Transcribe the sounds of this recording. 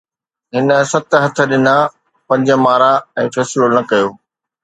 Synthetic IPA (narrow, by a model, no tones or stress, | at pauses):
ɦɪnə̆sɐt̪ɦɐt̪ʰə̆ɗɪna | pɐ̃ɲd͡ʑə̆maːɾaɛ̃ːfɛːsɪlonɐkɐjoː